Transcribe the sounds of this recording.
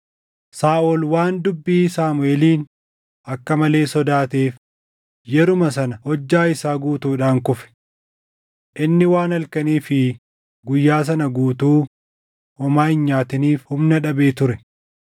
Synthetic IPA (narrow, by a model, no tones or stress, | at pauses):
saːʔɔlwaːnd̪ʊbːiːsaːmʊeːliːn | ʔɐkːɐmɐle̞ːsɔd̪aːt̪eːf | jɛɾʊmɐs̬ɐnɐhɔd͡ʒːaːɪsaːɡuːt̪uːᶑaːŋkʊfɛ̥ | ʔɪnːɪwaːnɐlkɐniːfɪ | ɡʊjːaːs̬ɐnɐɡuːt̪uː | ʔɔmaːɪnɲaːt̪ɪniːfhʊmnɐᶑɐbeːt̪ʊɾɛ